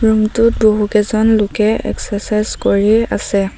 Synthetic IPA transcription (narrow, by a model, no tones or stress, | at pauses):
ɹumtʊt̚boɦukɛzɔnlʊkɛɛ̰ksasajzkoɹia̰sɛ